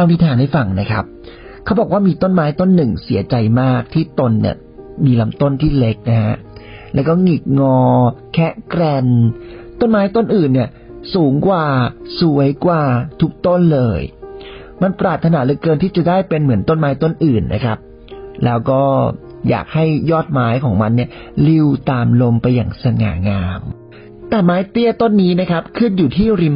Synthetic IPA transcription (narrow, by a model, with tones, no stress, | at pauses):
a˧wni˥t̪ʰaː˧nda˥˩jfa˨˩ŋna˦˥kʰɾa˦˥p̚ | kʰa˦˥wbɔː˨˩kwaː˥˩miː˧t̪o˥˩nmaː˦˥jt̪o˥˩nːɯ˨˩ŋsi˨˩˦t͡ɕa˧jmaː˥˩k̚t̪ʰiː˥˩t̪o˧nːḭ˥˩ɐ | miː˧la˦˥mt̪o˥˩nt̪ʰiː˥˩le˦˥k̚na˦ɦa̰˦˥ʔ | lɛː˦˥wkɔː˥˩ŋi˨˩k̚ŋɔː˧kʰɛ˦˥ʔkɾɛ˧nt̪o˥˩nmaː˦˥jt̪o˥˩nʔɯː˨˩nːi˥˩ɐ | suː˩˦ŋkwaː˨˩su˩˦əjkwaː˨˩t̪ʰu˦˥k̚t̪o˥˩nlɤː˧j | ma˧npɾaː˨˩t̪ʰːa˧na˩˦lɯ˧kɤː˧nt̪ʰi˥˩t͡ɕa˨˩daː˥˩jpe˧nmɯ˩˦nt̪o˥˩nmaː˦˥jt̪o˥˩nʔɯː˨˩nːʔa̰˦˥kʰɾa˦˥p̚ | lɛː˦˥wkɔː˥˩ | ja̰ː˨˩k̚ha˥˩jːɔː˥˩t̪̚maː˦˥jkʰɔː˩˦ŋma˧nːi˥˩ɐ | li˧wt̪aː˧mlo˧mpa˧jːa̰ː˨˩ŋsa˧ŋa̰ː˩˦ŋaː˧m | t̪ɛː˨˩maː˦˥jt̪i˥˩ət̪o˥˩nːiː˦˥na˦˥kʰa˦˥p̚kʰɯ˥˩njuː˨˩t̪ʰiː˥˩ɾi˧m